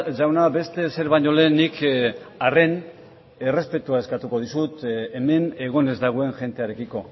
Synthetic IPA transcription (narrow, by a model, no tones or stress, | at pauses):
ʝawnabe̞st̪e̞se̞ɾβajɲo̞le̞nikare̞n | ere̞spe̞t̪uaeskat̪uko̞ðisut̪eme̞ne̞ɣ̞o̞ne̞zd̪aɣ̞oe̞nʝe̞nt̪e̞aɾe̞kiko̞